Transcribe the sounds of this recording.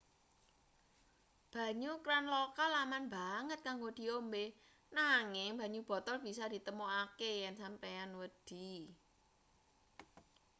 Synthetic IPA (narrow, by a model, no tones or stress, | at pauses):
b̥ä̤ɲukɾanlokalamanbaŋət̪̚kaŋɡod̪̥i̤ombe | naŋɪŋb̥ä̤ɲub̥ɔ̤t̪ɔlb̥i̤sɔd̪̥i̤t̪əmuakejɛnsampeanwəd̪̥i̤